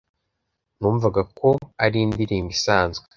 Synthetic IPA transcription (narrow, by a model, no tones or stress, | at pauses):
nuːɱvaɡako̞aɾiːndiɾiːmbisaːnzɡwe